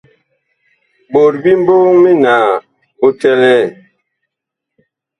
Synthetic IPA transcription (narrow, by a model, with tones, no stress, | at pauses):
bo˨ɾbi˦m˦bo˦ŋmi˦naː˨ | o˦tɛ˦lɛ˦˨